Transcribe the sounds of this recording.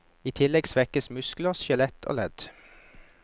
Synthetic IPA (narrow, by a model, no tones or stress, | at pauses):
iːt̪ʰɪlɛɡsʋɛkəsmʉskl̩əsʃɑlɛt̪ʰo̰ːlɛd̪̥